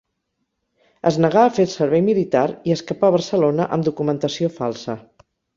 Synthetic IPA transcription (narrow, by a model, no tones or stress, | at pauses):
ə̰znəɣ̞aːfelˠsəɾβɛjmilit̪aɾiəskəpaβərsəlonəʔəmd̪ukumənt̪əsiofalˠsə